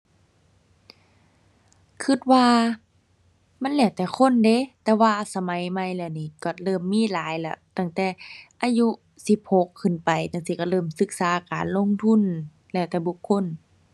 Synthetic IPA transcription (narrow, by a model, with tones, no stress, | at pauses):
kʰɯ˧˩t̪̚waː˧ | ma˧˥˨nlɛː˧˩wt̪ɛː˧˩xʰo˧˥˨nde˧˦t̪ɛː˧waː˧sa˧ma˨˦jma˧˩jlɛː˧˩˨niː˧˩˨kɔ˧˩lɤː˧˥˨mːiː˧˥˨laː˨˦jlɛ̰˧˩˦t̪a˧˩˨ŋt̪ɛː˧˩ʔaː˧ju˧ | si˧˦p̚ho˧˦kʰːɯ˧˩˨npa˨˩jna˧˨ŋsiː˧˩kɔ˧˩lɤː˧˩˨msɯ˧˦k̚saː˨˦kaː˨˦nlo˧˥˨ŋt̪ʰu˧˥˨n | lɛː˧˩˨t̪ɛː˧˩˦bu˧˦kʰːo˧˥˨n